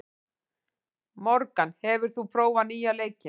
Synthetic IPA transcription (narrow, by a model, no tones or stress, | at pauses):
mɔɾkanhɛvʏɾ̥θupʰɾoːwvaniːjaleːjcɪ